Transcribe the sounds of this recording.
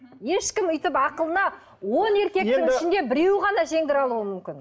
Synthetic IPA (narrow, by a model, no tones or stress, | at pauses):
je̞ʃkʲɪmʏjt̪ɪpɑqəlˠənɑ | wo̞ne̞ɾkʲe̞kt̪ɪŋɪʃɪnd̪e̞bɪɾe̞wʁɑnɑʒe̞ŋd̪ɪɾɑlˠuəmʏmkʲɪn